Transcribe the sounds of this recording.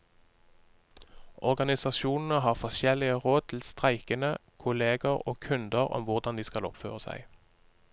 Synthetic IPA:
ʔɔʁɡɑnɪsɑʃuːnn̩əɦɑːʁfɔʃɛlɪəʁoːd̪̚t̪ʰɪl̩st̪ʁæɪkənəkʰʊleːɡəʁo̰ːkʰʉnd̪əʁɔ̰mʋʊʁd̪ɑnd̪iːskɑlɔ̰pfø̰ːʁəsæ̰ɪ

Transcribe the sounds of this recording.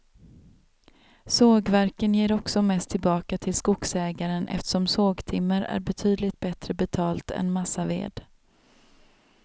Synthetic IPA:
soːɡvæɾkənjeːɾɔksɔmɛst̪ʰːɪlbɑːkat̪ʰɪlskʊksɛːɡaɾənʔɛ̰ft̪əʂɔmsoːɡt̪ʰɪmːəɾæ̰ɾbɛt̪ʰyːd̪lɪt̪̚bɛt̪ɾəbɛt̪ʰɑːlt̪ɛ̰nmasavḛːd̪

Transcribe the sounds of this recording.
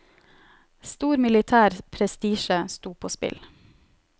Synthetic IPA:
st̪uːɾmɪlɪt̪ʰæːɾpʰɾɛst̪iːʃəst̪uːpʰoːspɪ̰l

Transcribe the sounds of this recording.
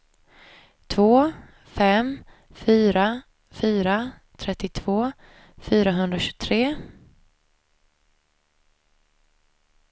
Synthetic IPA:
t̪ʰvoː | fɛm | fyːɾa | fyːɾa | t̪ʰɾɛt̪ːɪt̪ʰv̥oː | fyːɾaɦɵnd̪ɾaɕɵ̥ɡt̪ʰɾeː

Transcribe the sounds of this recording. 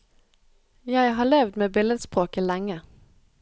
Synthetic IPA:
jæɪɦɑːɭeːʋd̪meːbɪləd̪spʁoːkəlɛŋə

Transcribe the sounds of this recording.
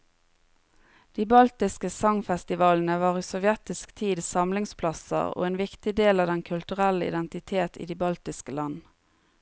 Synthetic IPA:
d̪̥iːbɑlt̪ɪskəsɑŋfɛst̪ɪʋɑːln̩əʋɑːʁiːsɔʋjɛt̪ɪskt̪ʰiːd̪sɑmlɪŋspʰlɑsə̰ʁo̰ːeːnʋɪkt̪ɪd̪eːlɑːʋd̪ɛnkʰʉlt̪ʉʁæləɪ̰d̪ɛnt̪ɪt̪ʰeːt̪ʰḭːd̪iːbɑlt̪ɪskəlɑn

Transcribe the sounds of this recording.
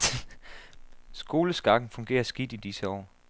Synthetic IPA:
sɡ̥o̝ːləsɡ̥ɑ̈ɡ̥n̩fɔ̽ŋɡ̥ḛːɐsɡ̥id̥id̥isəɒ̰ː

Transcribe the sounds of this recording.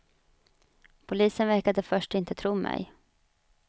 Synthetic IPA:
pʰʊliːsənvæɾkad̪əfœʂʈɪnt̪ət̪ʰɾuːmʔɛ̰j

